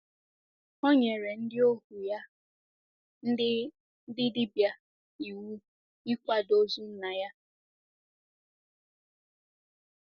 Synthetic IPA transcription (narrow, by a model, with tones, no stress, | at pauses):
o˦ɲe˨ɾe˨n̩˦dɪ˦o˦hu˨ja˦ | n̩˦dɪ˦ | n̩˦dɪ˦di˦bja˦ | i˨wu˦ | i˦kʷa˦do˦zu˦n̩˦na˨ja˦